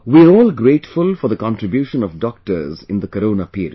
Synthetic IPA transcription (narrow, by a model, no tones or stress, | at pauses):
wiəɾɔːlɡɾeːʈfʊlfɔɾd̪ðəkɔ̃nʈɾɪbjuːʃə̃nɔvɖɔk̚ʈə̰ɾzɪ̃nd̪əkəɾõːnapiːɾḭ̥